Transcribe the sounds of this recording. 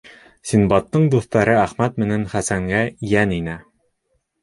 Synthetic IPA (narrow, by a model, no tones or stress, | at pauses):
sinbɑt̪ːɤɴd̪uθt̪ɑɾɤæχmæt̪mɘ̆nænχæsæŋɡæjæninæ